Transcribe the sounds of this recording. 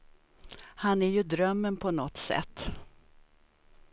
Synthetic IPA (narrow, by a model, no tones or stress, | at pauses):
hanæɾjɵd̪ɾœmːənpʰɔnɔt̪sɛ̰t̪ː